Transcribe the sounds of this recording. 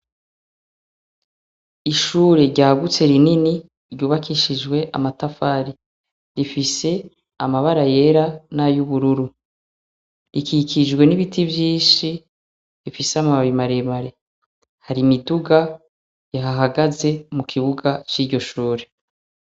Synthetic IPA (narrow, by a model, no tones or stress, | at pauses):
iʃuːɾe̞ɾɟaːɡut͡se̞ɾinini | ɾɟuːβakiʃid͡ʒɡwe̞ʔa̰matafaːɾi | ɾifise̞ | amaβaɾaje̞ːɾanajuβuɾuɾu | ɾikikʰid͡ʒɡwe̞niβitʰibjiːʃi | ɾifiseamaβaβimaɾemaɾe̞ | haɾimiduɡa | jaɦaɦaɡaze̞mukʰiβuɡat͡ʃiːɾɟo̞ʃuːɾe̞